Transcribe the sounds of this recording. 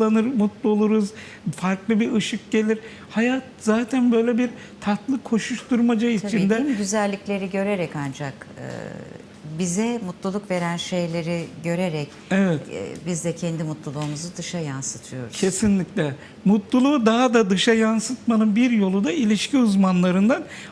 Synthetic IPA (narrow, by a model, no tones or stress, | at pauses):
anɯɾmut̪lˠuolˠuɾuz | faɾklˠɯbiɾɯʃɯk̚ɟ̥e̞lʲiɾ | hajat̪̚zaːt̪ʰænbø̞jlʲebiɾ | t̪ʰat̪lˠɯkʰo̞ʃuʃt̪uɾmad͡ʒait͡ʃʰind̪ɛɟyzælʲːiclʲe̞ɾiɟø̞ɾeɾɛkand͡ʒakɯ̰ | bizɛmut̪lˠulˠukve̞ɾænʃe̞jlʲe̞ɾiɟø̞ɾeɾɛc | evɛt̪bizd̪ɛcʰɛnd̪imut̪lˠulˠuːmuzud̪ɯʃajansɯt̪ʰɯjo̞̰ɾu̥cʰe̞sinlʲiclʲɛ | mut̪lˠulˠuːd̪aɦad̪ad̪ɯʃajansɯt̪manɯnbiɾjo̞lˠud̪ailʲiʃcʰiuzmanlˠaɾɯnd̪an